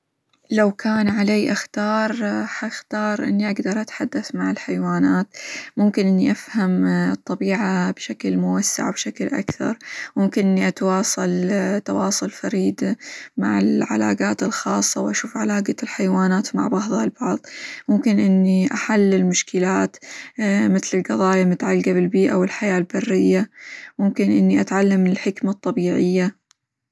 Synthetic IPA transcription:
lawkʰaːnʕaleːʔaxt̪ɑːɾˤħaxt̪ɑːɾˤʔɪ̰nːiʔaɡd̪ɑɾˤʔat̪ħad̪ːaθmaʕɪlħajwaːnaːt̪mʊmkɪnʔɪnːiʔafhamɨt̪ˤːɑbiːʕabʃaklmʊwasːa̰ʕbʃaklʔa̰kθɑ̰ɾˤmʊmkɪnʔɪnːiʔat̪wɑːsˤɑlt̪ːɑwɑːsˤʊlfaɾiːd̪ama̰ʕɪ̰lʕa̰la̰ːɡaːt̪ɪlxɑːsˤːɑwʔaʃuːfʕalaːɡalħajwaːnaːt̪ma̰ʕbɑʕðˤhɑlbɑʕðˤmʊmkɪnʔɪnːiʔaħalːɪlmʊʃkɪlaːt̪ | mɪt̪lɪlqɑðˤɑːjamʊt̪ʕalɡabɪlbiːʔawɪlħajaːlbarːɪjːamʊmkɪnʔɪnːiʔat̪ʕalːamːɪlħɪkmat̪ˤːɑbiːʕɪjːa

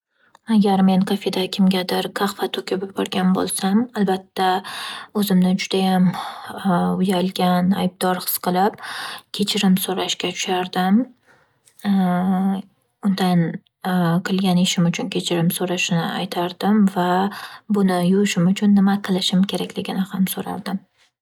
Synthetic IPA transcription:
aɡʲaɾme̞nqʰafed̪akʲʰɪmɡʲad̪ɪɾkʰɑχfat̪ʰokʲʰɪpbɒɾɡʲanbo̰lˠsamalbat̪ːaɵzɪmnɪd͡ʒʊd̪̥ajam | ʊjalɡʲana̰jb̚d̪ɒɾχɨ̥sqʰɨlˠɪp̚kʲʰe̞t͡ʃʰɪɾɪmsoɾaʃkʲat̪ʰʊ̥ʃaɾd̪ɪm | ʊnd̪an | qʰɨlˠɡʲanɪʃɪmʊt͡ʃʰʊnkʲʰe̞t͡ʃʰɪɾɪmsoɾaʃɪnɪajt̪ʰaɾd̪ɪmvabʊnɪjʊɾɪʃɪmʊt͡ʃʰʊnːɪmaqʰɨlˠɪʃɪmkʲʰe̞ɾakʲlɪɡʲɪnɪhamsoɾa̰ɾd̪ɪm

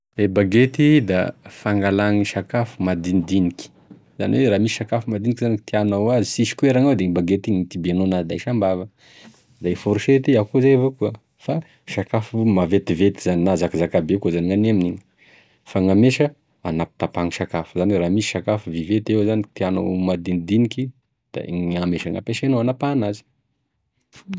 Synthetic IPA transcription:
ebaɡet̪id̪afaŋɡalaŋiʃakafumad̪inid̪inikʲi̥ | za̰niweɾaːmisiʃakafumad̪inikizanit̪ianawazisiʃi̥kueɾaŋawd̪eŋibaɡet̪iɲit̪ibenonad̪aiʃambavə | d̪aifoɾuʃet̪iakozajvokuə | fa | ʃakafumavet̪ivet̪izaninazakizakabekozaniŋaneminiɲi̥ | faŋameʃə | anapi̥t̪apaŋiʃakafuzaniraːmisi̥ʃakafuvivet̪ewzanit̪iana̰mad̪ind̪iniki | d̪̥a̰ŋameʃaŋa̰peʃenoanapanazi̥

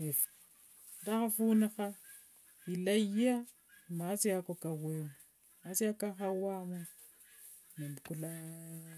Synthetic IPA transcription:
ef | daxafunixa | ilaja | masiakokawemu | asiakaxawamo | nembkula

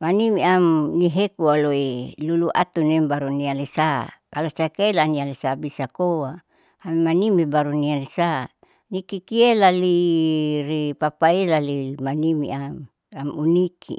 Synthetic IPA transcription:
manimiamniɦekualoeluluʔa̰t̪unembaɾunialesa̰kalosakeelanialesabisakoa | amimanimibaɾunialesa | nikikielali | ripapailalimanimḭam | amunikʰḭ

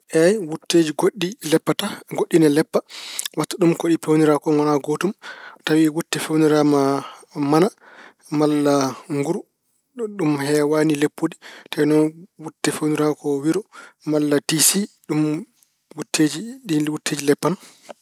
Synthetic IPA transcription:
ʔɛjwutːeːd͡ʒiɡoɗːilɛpːataɡoɗːinalɛpːawatːɔɗumkoɗipewniɾakɔŋɔnaɡotumtawiwutːɛfewniɾamamana | malːaŋɡuɾu | ɗumhɛwanilepːoditajnɔnwutːɛfewniɾakɔwiɾɔmalːatisiɗum | wutʰːeːd͡ʒiɗiwutʰːeːd͡ʒilɛpːana

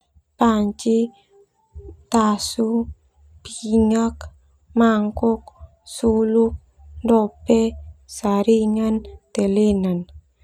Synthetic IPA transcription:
paɲt͡ʃi | t̪asu | piɲək | maŋkʊk̚ | suluk̚ | ndopesaɾiŋənt̪elenən

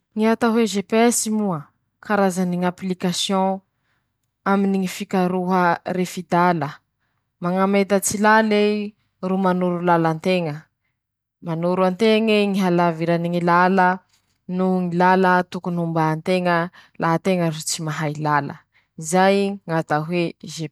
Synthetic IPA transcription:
ŋiat̪aɦueʒepesimuə | kaɾazaniŋaplikasjɔ̃ | aminiŋifikaɾuɦəɾefid̪alə | maŋamet̪ət͡silale | rumanuɾulalant̪eŋə | manuɾuant̪eŋeŋiɦalaviɾaniŋilalə | nuŋilalət̪ukunumbant̪eŋəlʔaɦət̪eŋəɾut͡simaɦajlalə̰ | izajŋat̪aɦweʒe

